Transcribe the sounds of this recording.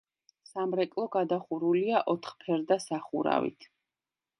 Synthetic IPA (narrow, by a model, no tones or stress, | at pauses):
samɾɛkʼlˠɔɡad̪aχuɾuliaʔɔt̪ʰχpʰɛɾd̪asaχuɾa̰vḭt̪ʰ